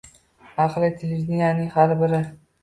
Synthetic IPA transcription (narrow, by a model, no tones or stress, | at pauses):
aqlˠɪt̪ʰelevʲd̪ɪnjanɪŋhaɾbɪɾɪ